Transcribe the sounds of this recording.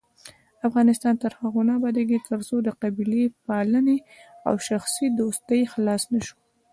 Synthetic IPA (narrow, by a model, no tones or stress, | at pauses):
afɣɑnɪst̪ɑnt̪əɾhaɣonɑbɑd̪eɡet̪əɾzod̪əqabilepɑlənea̰wʃaxsid̪ost̪əjxlɑsnaʃu̥